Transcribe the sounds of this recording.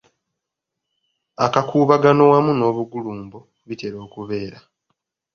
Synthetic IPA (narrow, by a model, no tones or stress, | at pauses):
akakʰuːβaɡano̞wamuno̞ːβuɡuluːmbo | βite̞ɾo̞ːkuβe̞ːɾa